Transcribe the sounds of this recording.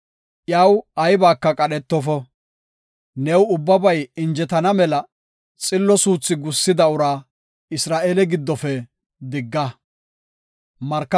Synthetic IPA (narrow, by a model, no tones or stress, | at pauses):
ʔjɐwɐjbaːkːɐkʼɐɗɛt̪ːɔfɔ | nɛwʊbːɐbɐjɪnd͡ʒɛt̪ɐnɐmɛlɐ | t͡sʼɪlːɔsuːt͡sːɪɡʊsːɪd̪ɐʊɾaː | ɪsɾaːʔeːlɛɡɪd̪ːɔfɛ | d̪ɪɡːɐ | mɐɾkːɐ